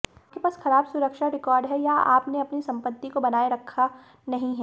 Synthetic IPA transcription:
kebɐsxɐɾaːbsʊɾəkʃaɾɪkɔːɾɖɦɛjaa̰ːpneɐpnisɐ̃mpət̪ːikobɐnaːeɾɐkʰːa | nɐɦĩɦɛ

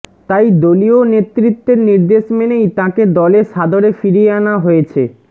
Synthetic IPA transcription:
t̪ajd̪olionet̪ːɾit̪ːeɾniɾd̪eʃmenejt̪ãked̪ɔleʃad̪ʱoɾefiɾieanaɦojet͡ɕʰḛ

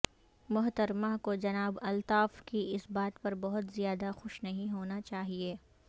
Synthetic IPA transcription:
mʊɦt̪ɐɾmakod͡ʒɐnaːbɐlt̪aːfkiɪsbaːt̪pɐɾbɐɦʊt̪zijaːd̪axʊʃnɐɦĩɦoːnat͡ʃaːɦieː

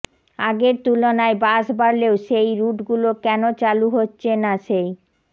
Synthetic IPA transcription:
aɡeɾt̪ulonaebaʃbaɾleoʃejɾuʈɡulokɛnot͡ɕaluɦotːɕʰenaʃej

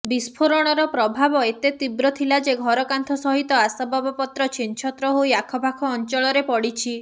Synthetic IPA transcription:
bispʰoɾɔɽ̃ɔɾɔpɾɔbʱabɔet̪et̪ibɾɔt̪ʰilad͡ʒeɡʱɔɾɔkant̪ʰɔsɔɦit̪ɔasabɔbɔpɔt̪ɾɔt͡ʃʰint͡ʃʰɔt̪ɾɔɦujakʰɔbʱakʰɔːnt͡ʃɔɭɔɾepɔɽit͡ʃʰi

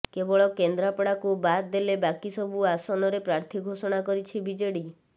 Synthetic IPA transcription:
kebɔɭɔkend̪ɾapɔɽakubat̪d̪elebakisɔbuasɔnɔɾepɾaɾt̪ʰiɡʱosɔɽ̃akɔɾit͡ʃʰibid͡ʒeɽi

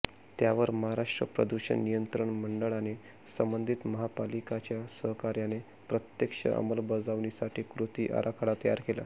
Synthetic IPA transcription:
t̪jaʋəɾməɦaɾaʂʈɾə̰pɾə̰d̪uɕə̰nnijənt̪ɾəɳməɳɖəɭane | səmbənd̪ʱit̪məɦapalikat͡ɕjasəɦkaɾjane | pɾət̪jekʂə̰ʔə̰məlbəd͡zaʋnisaʈʰiːkɾut̪iːʔa̰ɾʔakʰaɽat̪əja̰ɾkela̰

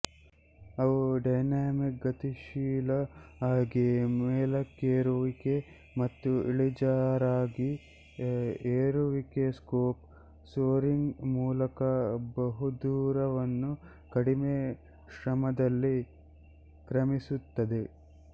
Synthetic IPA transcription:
ɐʋuɖɐjnaːmik̚ɡɐt̪iʃiːlɐaːɡemeːlɐkːeːɾuʋike | mɐt̪ːuiɭid͡ʒaːɾaːɡi | eːɾuʋikeskoːp | soːɾiŋɡmuːlɐkɐbɐɦud̪uːɾɐʋɐnːu | kɐɽime | ʃɾɐmɐd̪ɐlːi | kɾɐmisut̪ːɐd̪e

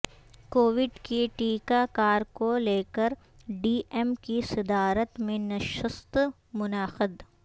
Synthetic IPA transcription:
koːʋɪɖkiʈiːkakaːɾkoleːkəɾ | ɖiːɛmkisɪd̪aːɾət̪mẽnɐʃəst̪ | mʊnaːxɪd̪

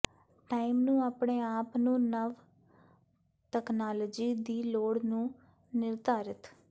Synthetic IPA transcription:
ʈaːimnũːaːpɳeːaːpnũːnəʋ | ʈɛːknaːləːd͡ʒiːd̪iːloːɽnũː | nɪɾt̪aːɾɪt̪

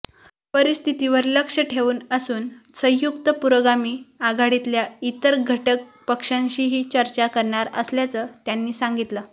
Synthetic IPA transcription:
pəɾist̪ʰit̪iʋəɾləkʂəʈʰeʋuːnəsuːnsə̃ɦjukt̪əpuɾəɡamiːaɡʱaɽit̪ljait̪əɾɡʱəʈək̚pəkʂãɲɕiɦiːt͡ɕəɾt͡ɕakəɾɳaɾə̰sljat͡səːt̪janːiːsaŋɡit̪ləː

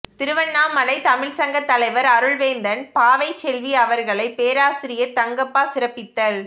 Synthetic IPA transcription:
t̪ɪɾɯʋɐnːaːmːɐlɐɪt̪ɐmɪɭsɐŋɡɐt̪ːɐlɐɪʋɐɾɐɾɯɭʋeːnd̪ɐnpaːʋɐɪt͡ʃːɛlʋiɐʋɐɾɣɐɭɐɪpeːɾaːsɪɾɪjɐɾt̪ɐŋɡɐpːaːsɪɾɐpːɪt̪ːɐɭ

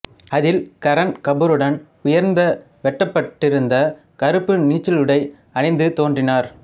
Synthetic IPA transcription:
ɐðɪlkɐɾɐnkɐbɯɾɯɽɐn | ʊjɐɾnd̪ɐ | ʋɛʈːɐpːɐʈːɪɾɯnd̪ɐ | kɐɾɯpːɯniːt͡ʃːɪlɯɽɐɪ | ɐnɪnd̪ɯt̪oːndrɪnaːɾ

